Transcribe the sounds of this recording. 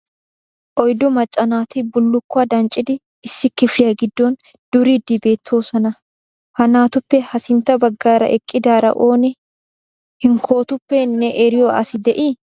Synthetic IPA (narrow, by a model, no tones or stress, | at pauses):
ʔɔjd̪ɔmɐt͡ʃʼːɐnaːt̪ɪbʊlːʊkːaːd̪ɐnt͡ʃʼɪd̪ɪː | sːɪkːɪflɪjɐɡɪd̪ːon | d̪̥ʊɾid̪ibe̞ːt̪ʰːo̞ːsɐnɐ | hɐnaːt̪ʊpːɛhɐsɪnt̪ɐbɐɡːaːɾɐ̰ʔɛkʼːɪd̪aːɾɐ̰ʔo̞ːnɛ | hɪŋkʰo̞ːt̪ʊpːɛnːɛʔɛɾɪjoɐ̰sɪd̪ɛʔiː